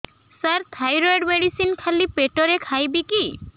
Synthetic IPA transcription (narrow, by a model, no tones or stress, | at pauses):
saɾt̪ʰajɾajɖmeɽisinkʰalipeʈɔɾekʰajbiki